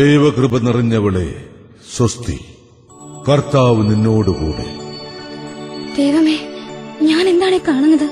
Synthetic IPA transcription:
d̪ejʋɐkrɨbɐniriɲːɐʋɐɭḛ | sɐst̪ḭ | kɐrt̪aːʋɨninːo̞ːɽukṵːɽḛ | d̪̥ejʋɐmeːɲaːne̞nd̪aːɳekaːɳunːɐðɨ

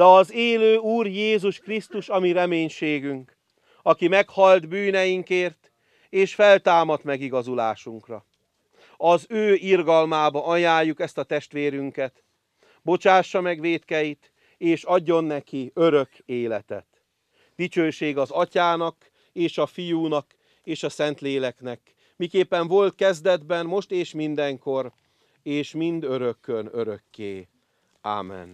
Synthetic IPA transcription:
d̥̪ɛɒzeːløːuːrjeːzuʃkrist̪uʃɒmiɾɛmeːɲʃeːɡyŋk | ɒkimɛkhɒld̪byːnɛjiŋkeːrt̪ | eːʃfɛlt̪aːmɒt̪mɛɡiɡɒzula̰ːʃuŋkrɒ̰ | ɒzøːirɡɒlmaːbɒɒjaːjːukɛst̪ɒt̪ɛʃt̪ʋeːɾyŋkɛt̪ | bo̞t͡ʃaːʃːɒmɛɡʋeːt̪kɛjit̪ | eːʃɒɟːo̞nːɛkiøɾø̞keːlɛt̪ɛ̰t̪ | d̪it͡ʃøːʃeːɡɒzɒcaːnɒk | eːʃɒfijuːnɒk | eːʃɒsɛnt̪leːlɛknɛk | mikeːpːɛɱvo̞lt̪kɛzd̪ɛd̪bɛnmo̞ʃt̪eːʃmind̪ɛŋko̞r | eːʃmind̪ø̞ɾø̞kːønøɾø̞kːeː | a̰ːmːɛ̰n

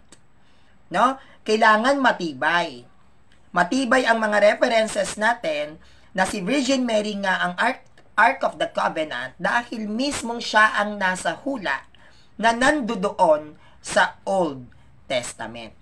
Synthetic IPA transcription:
no̞ | kɐjlaːŋɐnmɐt̪iːbɐj | mɐt̪iːbɐjɐŋmɐŋaɾɛfɛɾɛnsɛsnaːt̪ɛnː | ɐsɪvɪd͡ʒɪnmɛɾiŋaʔɐŋʔaɹt | ʔaɹkofd̪ɐkavɛnɐ̰nt̪̚d̪aːhɪlmismo̞ŋʃaʔɐŋnaːsɐhuːlɐ̰ʔ | nɐnɐnd̪od̪oʔon | sɐʔold̪̚ | t̪ɛst̪ɐ̰mɛ̰nt̪̚

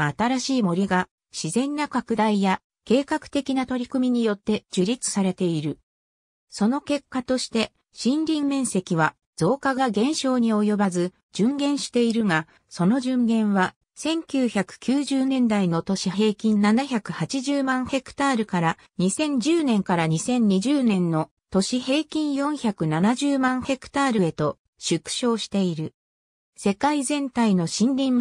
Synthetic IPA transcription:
at̪aɾaɕiːmo̞ɾʲiɡa | ɕizẽ̞nːakakɯ̟d̪aija | ke̞ːkakɯ̥t̪e̞kʲinat̪o̞ɾʲikɯ̟mʲiɲ̟ijo̞t̪ːe̞d͡ʑɨɾʲit͡sɨ̥saɾe̞t̪e̞iɾɯ̟ | so̞no̞ke̞kːat̪o̞ɕi̥t̪e̞ | ɕĩnɾʲĩmmẽ̞ɰ̃se̞kʲiβa | d͡z̥o̞ːkaɡaɡẽ̞ɰ̃ɕo̞ːɲ̟io̞jo̞bazɨ | d͡ʑɨ̃ŋɡẽ̞ɰ̃ɕi̥t̪e̞iɾɯ̟ŋa | so̞no̞ʑɨ̃ŋɡẽ̞ɰ̃βa | sẽ̞ŋkʲɨːçakɯ̟̥kʲɨːʑɨːnẽ̞nd̪aino̞t̪o̞ɕiɦe̞ːkʲĩnːnanaçakɯ̟hat͡ɕiʑɨːmãɰ̃he̞kɯ̟̥t̪aːɾɯ̟kaɾa | ɲ̟isẽ̞ɲ̟d͡ʑɨːnẽ̞ŋkaɾaɲ̟isẽ̞ɲ̟ɲiʑɨːnẽ̞nːo̞ | t̪o̞ɕihe̞ːkʲĩɰ̃jõ̞ɰ̃çakɯ̟nanaʑɨːmãɰ̃he̞kɯ̟̥t̪aːɾɯ̟e̞t̪o̞ | ɕɨkɯ̟̥ɕo̞ːɕi̥t̪e̞iɾɯ̟ | se̞kaizẽ̞nt̪aino̞ɕĩnɾʲĩm

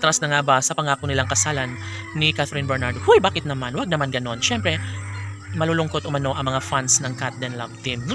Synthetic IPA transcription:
t̪ɾasnɐŋabɐsɐpɐŋaːkonɪlaŋkɐsaːlanː | ɪkaθɾɪnbɛɹnaɹd̪ohʊjbaːkɪt̪nɐmanwɐɡ̚nɐmanɡɐno̞nʃɛmpɾɛ | mɐluːlʊŋko̞t̪̚ʔʊmɐno̞ʔɐŋmɐŋafansnɐŋkat̪̚d̪ɛnlavt̪imnʊ

